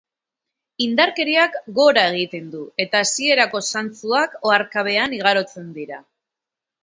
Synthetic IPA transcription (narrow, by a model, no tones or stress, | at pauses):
ind̪aɾke̞ɾiakɡo̞ɾae̞ɣ̞it̪e̞nd̪ue̞t̪aːsie̞ɾako̞sant͡suako̞aɾkaβ̞e̞aniɣ̞aɾo̞t͡se̞nd̪iɾa